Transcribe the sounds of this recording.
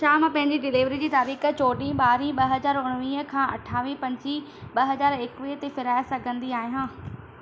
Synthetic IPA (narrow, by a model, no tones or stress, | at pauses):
ʃaːmpɐ̃ɦɪ̃ɲd͡ʑiɖɪliːʋɾid͡ʑiːt̪aːɾiːx̆t͡ɕoːɗĩɓaːɾĩɓɐɦɐzaːɾʊɽ̃ʋĩːəkʰãːʔɐ̰ʈʰaːʋipɐ̃ɲd͡ʑi | ɓɐɦɐzaːɾɪːkʋit̪efɪɾaːjsɐɡʱə̃nd̪iaːɦijãː